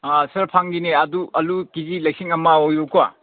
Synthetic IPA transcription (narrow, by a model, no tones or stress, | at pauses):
asɐɾpʰaŋɡineɐduɐlukizilɐjksiŋɐmaojukua̰